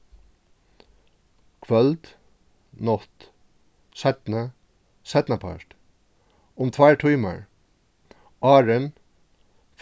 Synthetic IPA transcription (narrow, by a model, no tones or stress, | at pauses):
kʰʋœld̪ | nɔt̪ | sɛt̪nə | sɛt̪nəpʰɑ̰ʃt | ʊmt̪ʰʋæɪʈʰyʏmə̰ɹ | ʔɑːɹən | f